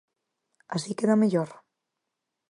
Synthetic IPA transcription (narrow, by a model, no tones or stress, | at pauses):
asikeðameʎoɾ